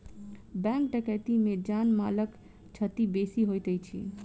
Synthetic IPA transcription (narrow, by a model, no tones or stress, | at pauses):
bɛ̃ŋk̚ɖəkɛʈ̪imẽd͡ʒanmalək | t͡ʃʰət̪ibesiɦojt̪əjt͡ʃʰḭ